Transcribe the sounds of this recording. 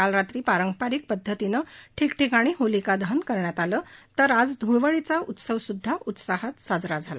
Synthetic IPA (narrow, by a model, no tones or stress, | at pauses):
alɾat̪ɾiːpaɾəŋɡpaɾiːk̚pəd̪ʱːət̪inəʈʰikʈʰikaɽ̃iːɦolikad̪əɦənkəɾɳjat̪aləːt̪əɾad͡zd̪ʱuɭʋəɭit͡saut̪səʋsud̪ʱːaʔut̪saɦət̪sad͡zɾad͡zʱala